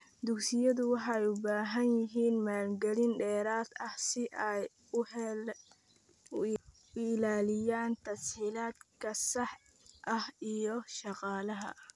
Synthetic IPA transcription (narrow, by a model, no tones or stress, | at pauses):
d̪ʊksɪjɐðʊwɑħɑɛjʊbaːɦɐnjɪɦiːnmaːlɡɐlɪnɖɛːɾaːd̪ɐhsɪʔɛj | ʊɪlaːlɪjaːnt̪ʰɐsiːlaːd̪kʰɐsɑħ | ʔɐhijɔʃɑqɑːlɐɦɐ̰